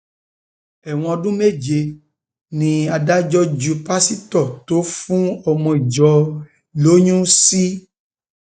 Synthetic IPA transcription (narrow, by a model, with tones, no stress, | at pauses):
ɛ˨w̃ɔ̃˧ɔ˧dũ˦me˦˨d͡ʒe˧ | nĩ˧a˧da˦d͡ʒɔ˦d͡ʒu˧pa˦si˦tɔ˦˨to˨˦fũ˦ɔ˧mɔ̃˧i˨d͡ʒɔ˧ | lo˨˦ɲũ˦si˦